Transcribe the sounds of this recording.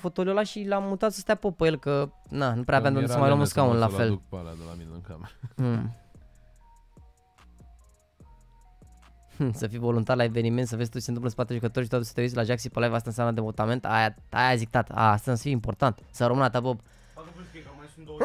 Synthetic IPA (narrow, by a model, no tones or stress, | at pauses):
fot̪oliolaʃilamːut̪at̪sə̥st̪apopəjelkənanupɾeavanonsəmajlomuskaunlafe̞lkplami | səfijvo̞lunt̪arlae̞ve̞niment̪səvezst̪oisenɨmpləspat̪eeʒukət̪oɾʃit̪at̪usə̥t̪eis̬ʲlaʒaksipəlajvas̬t̪aɨnsamnəd̪emot̪ament̪aja | ajazik̚t̪at̪a̰ast̪azsə̥fieimpo̞rt̪ant̪saɾomɨnat̪abob